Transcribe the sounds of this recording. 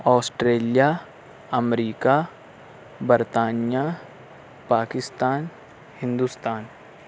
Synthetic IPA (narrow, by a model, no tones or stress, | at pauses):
ɔːsʈɾeːlija | ɐmɾiːka | bəɾt̪aːnija | paːkɪst̪aːn | hɪ̃nd̪ust̪aːn